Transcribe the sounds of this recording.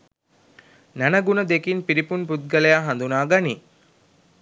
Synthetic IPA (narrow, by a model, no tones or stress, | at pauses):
nɐnɐɡunɐd̪ekinpiɾipunput̪̚ɡɐlɐjaɦɐnd̪unaːɡɐni